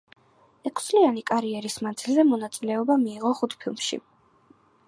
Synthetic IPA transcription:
ɛkʰst̪sʼlianikʼaɾiɛɾismand̪zilˠzɛmɔnat̪sʼilɛɔbamiːʁɔχut̪ʰpʰilˠmʃḭ

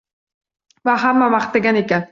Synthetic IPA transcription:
vaɦamːamaχt̪ːaɡʲanekʲan

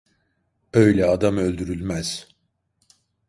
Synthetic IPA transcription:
ø̞jlʲɛad̪amølʲd̪yɾylʲmæz̥

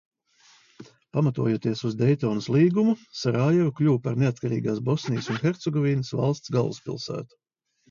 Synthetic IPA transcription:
pamat̪ṵɔjuːt̪iɛsuzd̪ɛjt̪ɔːnuslˠiːɡumusaɾaːjɛɾuklʲuːpaɾneat̪̚kaɾḭːɡaːsbɔsnijəsunxʲɛɾt̪sɛɡɔviːnəsva̰lˠst̪sɡa̰lˠːṵspʲḭlˠsæ̰ːt̪u̥

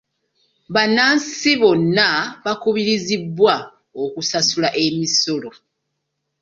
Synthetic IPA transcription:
βanaːnsiβo̞nːaβakuβiɾizibːwa | okusasulaʔe̞miso̞lo̞

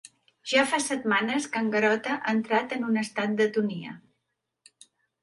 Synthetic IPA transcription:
ʒ̥afasət̪̚manəskəŋɡəɾɔt̪əʔant̪ɾat̪ənunəst̪at̪̚d̪ət̪uniə̰

